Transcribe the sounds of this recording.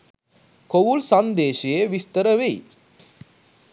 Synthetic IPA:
kowulsɐnd̪eːʃɐjeʋist̪ɐɾɐʋej

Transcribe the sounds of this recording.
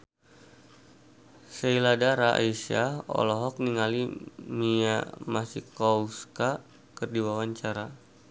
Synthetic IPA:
seiladaɾaʔiʃaɔ̰lɔɦɔk̚niŋalimia̰masikɔuska | kɨrdiwawaɲt͡ʃaɾa

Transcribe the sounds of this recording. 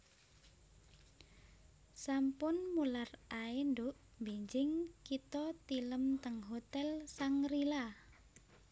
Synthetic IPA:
sampʊnmularaendʊʔ | mbeɲd͡ʒɪŋkit̪ɔt̪iləmt̪əŋɦot̪ɛlsaŋrila

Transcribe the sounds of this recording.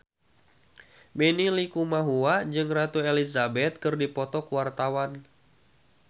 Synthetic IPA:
bɛnilikumaɦuad͡ʒɨŋrat̪uelizabɛt̪̚kɨrdipɔt̪ɔkuwart̪awan

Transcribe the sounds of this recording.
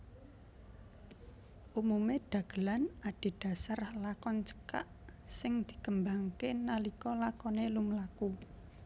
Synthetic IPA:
ʔumumeɖ̥ä̤ɡ̥əlanaɖ̥i̤ɖ̥a̤sarlakɔnt͡ʃə̥kaʔ | sɪŋd̪̥i̥̤kəmbaŋkenalikɔlakɔnelumlaku

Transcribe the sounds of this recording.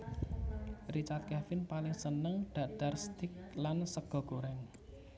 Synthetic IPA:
rit͡ʃart̪̚kɛfɪnpalɪŋsənəŋɖ̪̥ä̤ɖ̥a̤rst̪ɪk̚lansəɡ̥ɔ̤ɡ̥o̤ɾɛŋ

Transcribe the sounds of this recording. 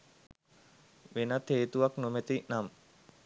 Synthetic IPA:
ʋenət̪eːt̪uʋaknomet̪inam

